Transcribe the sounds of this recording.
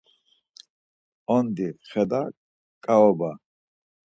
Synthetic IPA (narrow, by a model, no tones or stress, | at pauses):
ɔnd̪iχɛd̪a | kʼaɔba